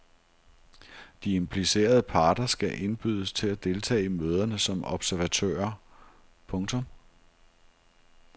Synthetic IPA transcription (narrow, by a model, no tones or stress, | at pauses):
d̥ie̝mpʰlise̝̰ːɐð̞ˠəpʰɑ̈ːd̥ɐsɡ̥æʔe̝nb̥yð̞̰ˠəst͡sʰe̝læd̥e̝lt͡sʰɛ̰ːɪimøːð̞ˠɐnəsɒ̽mɒ̽b̥sæɐʋæt͡sʰø̰ɐ | pʰɔ̽ŋt͡sʰɔ̽m